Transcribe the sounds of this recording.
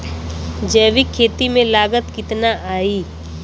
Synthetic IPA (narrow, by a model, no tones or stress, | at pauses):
d͡ʒɛːʋikʰːeːt̪imẽlaːɡət̪kɪt̪naʔaːiː